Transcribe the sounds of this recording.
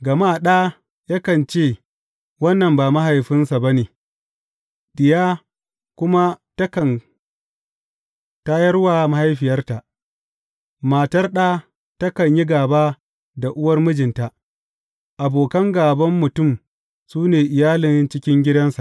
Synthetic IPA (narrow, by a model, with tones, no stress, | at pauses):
ɡɐ˨maː˦ɗaː˦ | ja˦kɐ˨nt͡ʃeː˦˨ | wɐ˦nːɐ˨mbaː˨ma˦ɦa˨jɸɪ˦nsa˨ba˦neː˨ | ɗɪ˨jaː˦ | kʷʊ˦ma˦tɐ˦kɐ˨n | ta˦jɐ˦rwaː˨ma˦ha˦jɸɪ˨jɐ˦rta˨ʔ | maː˨tɐ˦rɗaː˦ | tɐ˦kɐ˨ɲji˦ɡaː˨baː˦ | da˨ʔʊ˦wɐ˦rmʊ˦d͡ʒɪ˨nta˨ʔ | ʔa˨boː˨kɐ˦ŋɡaː˨bɐ˦mːʊ˨tʊ˦˨m | suː˦neː˨ʔɪ˨jaː˦lɪ˨nt͡ʃɪ˦kʲɪ˦ŋɡʲɪ˦dɐ˦nsa˨ʔ